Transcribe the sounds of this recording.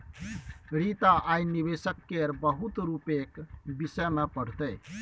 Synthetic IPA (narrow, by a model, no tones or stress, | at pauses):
ɾit̪aʔajnibesəkːeɾbəɦut̪ɾupekbisəmepəɽ̤t̪əj